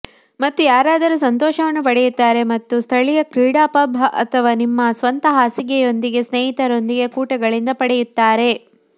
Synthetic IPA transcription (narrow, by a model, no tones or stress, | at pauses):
mɐt̪ːujaːɾaːd̪ɐɾus̬ɐnt̪ɔːʃɐʋɐnːupɐɽɛjut̪ːaːɾe̞mɐt̪ːust̪ʰɐɭijɐkɾiːɽaːpɐbʱɐʔɐ̰t̪ʰɐʋaːnimːɐsʋɐnt̪ɐɦaːsiɡɛjo̞nd̪iɡe̞sneːɦit̪ɐɾo̞nd̪iɡe̞kuːʈɐɡɐɭind̪ɐpɐɽɛjut̪ːaːɾe̞